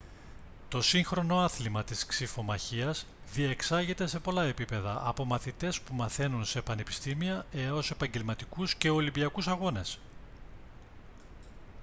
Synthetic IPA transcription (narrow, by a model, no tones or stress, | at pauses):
t̪o̞siŋxɾo̞no̞ɐθlimɐt̪isksifo̞mɐçiɐz | ðie̞ksɐʝit̪e̞se̞po̞lɐe̞pipe̞ðɐʔɐpo̞mɐθit̪e̞spumɐθe̞nunse̞pɐne̞pi̥st̪imiɐe̞o̞se̞pɐɲɟe̞lmɐt̪ikusce̞o̞limbiɐkusɐɣo̞ne̞s